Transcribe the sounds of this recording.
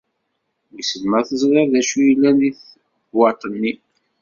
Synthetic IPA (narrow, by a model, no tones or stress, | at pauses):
ɡsəlmæθəzˤɾɑɾðæʃujəlːæniθ | bwɑt̪ˤənːi